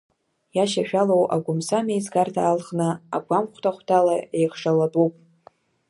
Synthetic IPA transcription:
jaʃaʃᶣalowa̰ɡʷʊmsamejzɡardʰaːlχnɨa̰ɡʷamχʷtʰaχʷtʰalaejχʂaladʼupʼ

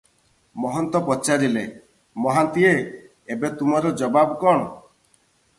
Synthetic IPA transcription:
mɔɦɔnt̪ɔpɔt͡ʃaɾile | mɔɦant̪ie | ebet̪umɔɾɔd͡ʒɔbabɔkɔɽ̃ɔ

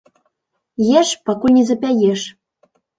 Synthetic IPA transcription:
jeʃpɑkulʲnʲizɘ̆pʲæjeʃ

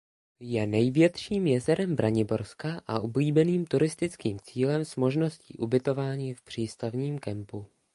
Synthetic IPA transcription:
jɛnɛjvjɛt̪ʃiːmjɛzɛɾɛmbɾʔaɲɪbo̞ɾskaʔa̰ʔubliːbɛniːmt̪uɾɪst̪ɪt͡skiːmt͡siːlɛmsmo̞ʒno̞scḭːʔubɪt̪o̞vaːɲiːfpr̝̥iːst̪avɲiːmkɛmpu

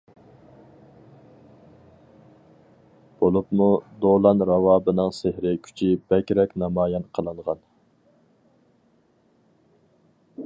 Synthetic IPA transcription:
b̥olˠupmud̪olˠɑnɾɑwɑːbɨnɨŋsehɾɪkʲʰy̥t͡ʃʰib̥ɛkʲɾɛkʲnɑmɑːjɑnqʰəlˠɨŋʁɑn

